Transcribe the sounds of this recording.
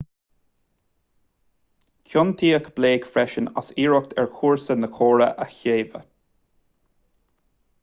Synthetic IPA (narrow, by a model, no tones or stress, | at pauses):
kʰjʊnt̪ʰiːəkb̥leːɡfɹɛʃəna̰siːɹʊk̚t̪ʰɛɹkʰuːɹsənəkʰoːɹəʔəçeːvə̰